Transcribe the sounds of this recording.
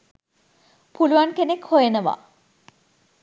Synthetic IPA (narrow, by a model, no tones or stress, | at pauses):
puluʋankenekhojenəʋa̰